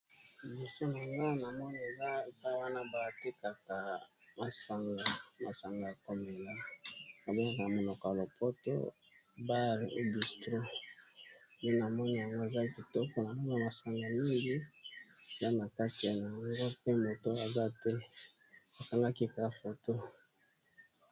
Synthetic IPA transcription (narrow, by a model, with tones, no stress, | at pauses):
bi˨so˦na˨ŋɡa˦na˨mɔ˦ni˦e˨za˦e˨pa˦wa˦na˦ba˨ti˦ka˨ka˨ma˨sa˨ŋɡa˨ma˨sa˨ŋɡa˨a˨ko˨mbe˨la˦a˨be˦ŋa˨ka˨mo˨nɔ˨kɔ˨ja˨lo˨po˦to̰˦ | ba˦ʁḛ˨bi˨stʁo˦ | ni˦n˨na˨mɔ˦ni˦˨ja˨ŋɡo˦e˨za˦ki˨tɔ˦kɔ˦na˨mɔ˦a˦˨ma˨sa˨ŋɡa˨mi˦ŋɡi˦˨ | za˦na˨ka˦ti˨a˨na˨ja˨ŋɡo˦pe˦mo˨to˦a˨za˦tɛ˦ | a˨ka˨ŋɡa˦ki˦ka˨fo˨to˦